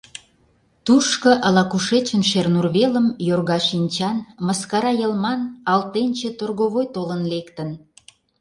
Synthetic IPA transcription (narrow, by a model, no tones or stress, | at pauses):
t̪urʃkə̆ʔəlɑkuʃet͡ɕənʃernurβeləmjorɣɑʃinʲt͡ɕɑnməskɑɾɑjəlmɑnɑlt̪enʲt͡ɕet̪orɣoβojt̪olənlekt̪ən